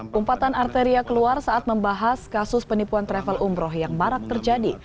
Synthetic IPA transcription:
ʔumpat̪anart̪əɾiakəluarsaʔat̪̚məmbaɦaskasʊspənipuant̪ɾɛfəlʔumbɾɔhjaŋmaɾak̚t̪ərd͡ʒadi

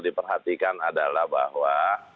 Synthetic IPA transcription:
dipərɦat̪ikanadalahba̰ɦwa

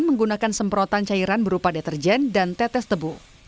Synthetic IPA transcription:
nməŋɡunakansəmpɾɔt̪ant͡ʃaiɾanbəɾupadet̪ərd͡ʒɛndant̪ɛt̪ɛst̪əbu

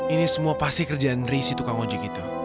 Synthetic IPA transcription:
inisəmuapast̪ikərd͡ʒanrisit̪ukaŋod͡ʒikit̪u

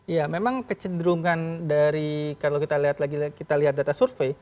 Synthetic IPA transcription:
ijamemaŋkət͡ʃəndɾuŋandaɾikalawkit̪aliɦat̪laɡikit̪aliɦat̪̚dat̪asurfej

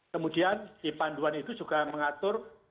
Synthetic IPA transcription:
kəmudiandipanduanit̪usuɡ̥ahməŋat̪ʊr

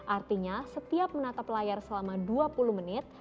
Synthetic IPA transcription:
ʔart̪iɲasət̪iap̚mənat̪aplajarsəlamaduapuluhmənɪt̪̚

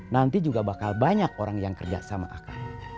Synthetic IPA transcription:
nant̪id͡ʒuɡabakalbaɲak̚oɾaŋjaŋkərd͡ʒa̰ksama̰ʔa̰ka̰ia

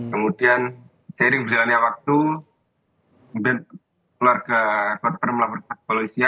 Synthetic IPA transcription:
kəmudian | saiɾɪŋbərd͡ʒalanɲawak̚t̪u | bɛnt̪̚ | kluarkəkɔt̪̚pərmlapɔrpat̚paloisia

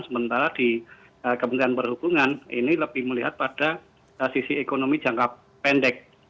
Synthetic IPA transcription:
səbənt̪aɾad̥i | əkəmənt̪ɾianbərhubuŋanḭniləb̥ɪhməliɦat̪̚pad̥a | əsisiekonomid͡ʒaŋkap | pɛndɛk̚

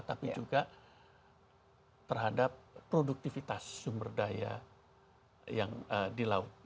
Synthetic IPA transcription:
t̪apid͡ʒuɡa | t̪ərɦadap̚ːɾoduk̚t̪ifit̪asːumbərdaja̰ | jaŋədilaʊt̪̚

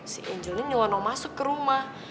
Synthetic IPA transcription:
siʔeɲd͡ʒoniɲuwɔnɔŋmasʊkːəɾumah

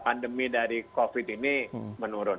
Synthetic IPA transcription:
pandəmidaɾikofit̪inimənuɾʊn

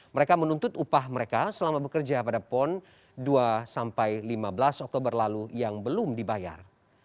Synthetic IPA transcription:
məɾekamənunt̪ʊt̪upahməɾekasəlamabəkərd͡ʒapadapɔn | duasampajlimabəlasɔk̚t̪obərlalujaŋbəlumdibaja̰r

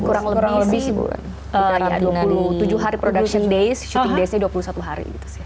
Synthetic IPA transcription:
kuɾaŋləkuɾaŋləbɪ̰ | ʔəja̰duapuluht̪ud͡ʒuɦaɾipɾodakʃɔndejst͡ʃudesɲaduapulusat̪uɦaɾḭɡit̪u̥si

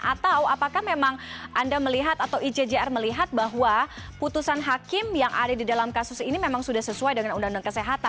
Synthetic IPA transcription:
ʔat̪awapakahmemaŋʔandaməliɦat̪at̪awid͡ʒed͡ʒeɛrməliɦat̪̚baɦuwaput̪usanɦakɪmjaŋʔa̰dadidalamkasʊsinimemaŋsudahsəsuajdəŋanundaŋundaŋkəseɦat̪a

